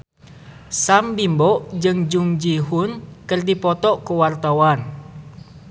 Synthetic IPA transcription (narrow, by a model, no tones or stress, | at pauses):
sambimbɔʔd͡ʒɨŋd͡ʒuŋd͡ʒiɦunkɨrdipɔt̪ɔʔkuwart̪awan